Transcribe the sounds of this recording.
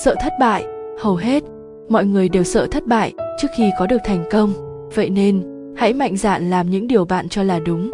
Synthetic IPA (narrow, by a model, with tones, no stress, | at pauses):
sə̰ː˧˨t̪ʰə˦˥t̚ɓa̰ː˧˨jhə˨˩wɦe˦˥t̚ | mɔ̰˧˨jŋɨ˨˩əjɗe˨˩wsə̰ː˧˨t̪ʰə˦˥t̚ɓa̰ː˧˨jt͡ɕɨ˦˥ək̚xi˧kɔ˨˦ɗɨ˨˩t̪ʰɛ˨˩jŋ̟kə˧wŋ͡m | və̰˧˨jne˧n | ha̰˧˥jma̰˧˨jŋ̟za̰ː˧˨nlaː˨˩mɲɨ̰˧˥ŋɗi˨˩əwɓa̰ː˧˨nt͡ɕɔ˧laː˨˩ɗʊ˨˦ŋ͡m